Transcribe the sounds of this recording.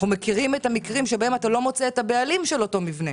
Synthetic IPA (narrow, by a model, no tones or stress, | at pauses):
χumekiʁimetamikʁimʃebahematalo̞mo̞t͡seːtabealimʃe̞lo̞to̞mivne